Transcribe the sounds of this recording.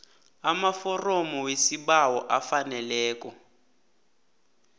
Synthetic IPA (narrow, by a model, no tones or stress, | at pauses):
amafɔrɔmɔwesiɓawɔʔafanɛlɛːkɔ